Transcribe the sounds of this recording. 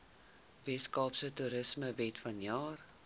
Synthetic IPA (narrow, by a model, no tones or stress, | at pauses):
vɛskɑːpsətuɾəsməvɛtfɐnjɑːr